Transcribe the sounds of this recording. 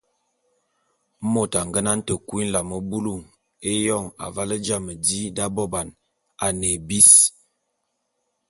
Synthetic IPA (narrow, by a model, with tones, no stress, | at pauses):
mo˦˨ta˨ŋ˨ɡə˦na˦n̩˦tə˨kwi˦n˦la˨mə˨bu˦lu˦˨ŋ | e˦jɔ˦˨ŋa̰˨va˦lə˦d͡ʒa˦˨mə˨di˦da˦bɔ˦ba˨n | a˨ne˨bi˦s